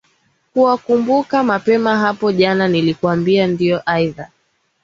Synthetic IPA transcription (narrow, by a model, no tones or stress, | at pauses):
kuwakumbukamapɛmaɦapɔʄananilikuambiandiɔʔaiða